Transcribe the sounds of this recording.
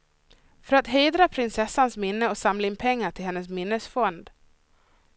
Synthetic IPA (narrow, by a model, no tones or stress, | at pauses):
fœɾat̪ɦeːd̪ɾapʰɾɪnsɛsːansmɪnːəɔsamlaɪnpʰɛŋːaʈʰɪlɦɛnːəs̬mɪnːəsfɔnd̪